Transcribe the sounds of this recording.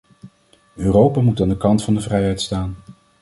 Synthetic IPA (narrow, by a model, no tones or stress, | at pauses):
øːrowpaːmutaːndəkɑntfɑndəvrɛjɦɛjtstaːn